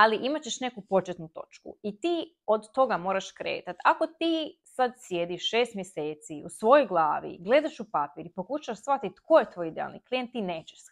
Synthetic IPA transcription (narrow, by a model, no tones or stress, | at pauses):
aliʔimat͡ɕe̞ʃne̞kupo̞t͡ʃet̪nut̪o̞̰t͡ʃkṵit̪iː | o̞d̪t̪o̞ɡamo̞ːɾaʃkɾḛːt̪at̪ako̞t̪iːsad̪sje̞d̪iʃʃeːst̪mjese̞ːt̪siusʋo̞jojɡlˠaːʋḭɡle̞d̪aʃupapiɾipo̞kuʃaʋaʃsʋat̪it̪ko̞jet̪ʋo̞ːjid̪ea̰lˠnḭklijent̪ːine̞ːt͡ɕeʃs